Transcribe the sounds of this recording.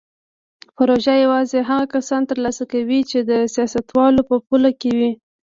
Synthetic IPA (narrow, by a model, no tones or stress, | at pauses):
pʊɾoʒajawɑzeɦaɣakasɑnt̪əɾlɑsakawit͡ʃed̪əsjɑsat̪wɑlopəpulakewi